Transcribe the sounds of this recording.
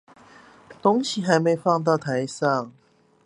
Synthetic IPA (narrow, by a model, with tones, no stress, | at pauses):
t̪o˥ŋɕi˨xa˨˧˦ɪme˧˥ɪfɑ˥˧ŋt̪ɑ˥˩ʊt̪ʰa˧˦ɪsɑ˥˨ŋ